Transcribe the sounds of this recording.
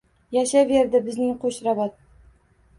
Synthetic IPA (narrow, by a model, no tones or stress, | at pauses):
jaʃaveɾd̪ɪbɪznɪŋqʰoʃɾabɑt̪̚